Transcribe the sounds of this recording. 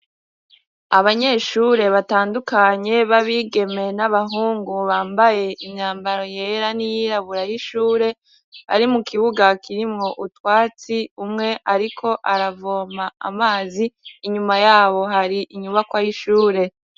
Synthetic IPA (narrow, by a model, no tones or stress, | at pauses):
aβaɲe̞ʃuːɾe̞βataːndukaɲe̞βaβiɡe̞me̞naβaɦuːŋɡuβaːmbaje̞ʔimɲaːmbaɾo̞je̞ːɾanijiɾaβuɾajiʃuːɾe̞ | βa̰ɾimukʰiβuɡakiɾimŋo̞ʔutwaːt͡siumŋe̞ʔaɾikʰo̞ʔaɾavo̞ːmaa̰maːziːɲumajaːβo̞ɦaɾiʔiɲuβakwajiʃuːɾe̞